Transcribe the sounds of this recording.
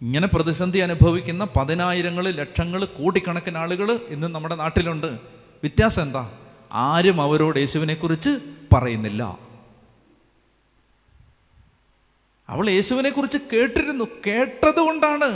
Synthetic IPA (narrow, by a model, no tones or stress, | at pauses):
iŋːɐne̞prɐðiɕɐnd̪ʱiɐnubʱɐʋikʲːunːɐpɐðinaːjiɾɐŋːɐɭɨle̞ʂɐŋːɐɭkoːʈːikʲːɐɳɐkːɐnaːɭuɣɐɭinːɨnɐmːuɽe̞naːʈːiluɳɖɨ | ʋit̪jaːsɐend̪ɐ̰a̰ːɾumɐʋɐɾo̞ːɽje̞ːɕuʋine̞kːurit͡ɕːɨpɐrɐjunːilːɐ̰ | ɐ̰ʋɐɭje̞ːɕuʋine̞kːurit͡ɕːɨke̞ːʈːiɾunːuke̞ːʈːɐðuɣo̞ɳɖaːɳɨ